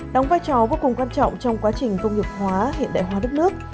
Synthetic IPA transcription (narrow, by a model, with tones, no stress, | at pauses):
ɗɔ˨˦wŋ͡mvaː˧jt͡ɕɔ˨˩voː˧kʊ˨˩ŋ͡mkwaː˧nt͡ɕɔ̰˧˨wŋ͡mt͡ɕɔ˧wŋ͡mkwaː˨˦t͡ɕï˨˩ŋ̟kə˧wŋ͡mŋɨ˨˩k̚hwaː˨˦ɦḭ˧˨ənɗa̰ː˧˨jɦwaː˨˦ɗk̚nɨ˦˥ək̚